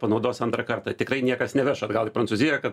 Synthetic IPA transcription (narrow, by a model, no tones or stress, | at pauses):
pɐnɐʊd̪oːsʲɐnt̪ɾɐkɐrt̪ɐtʲɪkɾɐɪnʲiɛkɐsnʲɛʋʲɛʃɐɡɐlˠɪpɾɐnsuzʲɪjɛkɐt̪